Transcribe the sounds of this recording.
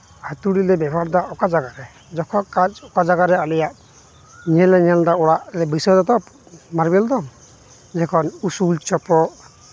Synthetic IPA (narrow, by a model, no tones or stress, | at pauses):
hat̪uɽilɛbɛbʱaɾd̪aʔɔkad͡ʒaɡaɾɛ | d͡ʒɔkʰɔkad͡ʒɔkad͡ʒaɡaɾɛalɛjaʔ | ɲɛlɛɲɛldaɔɽaʔɾɛbisɔjd̪ɔt̪ɔp | maɾbɛld̪ɔ | d͡ʒɛkʰɔnusult͡ʃɔpɔʔ